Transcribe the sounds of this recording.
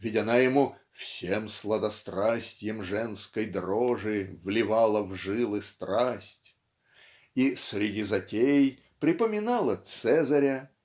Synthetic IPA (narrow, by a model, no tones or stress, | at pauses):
vʲɪdʲɪnajɪmu | fsʲemslˠəd̪ɐst̪ɾasʲtʲɪjəmʐɛnskəjd̪roʐɨvlʲɪvɑlˠəvʐɨlˠɨst̪ɾasʲtʲ | isʲɾʲɪdʲizɐtʲej | pɾʲɪpəmʲɪnalˠət̪sɛzɐɾʲə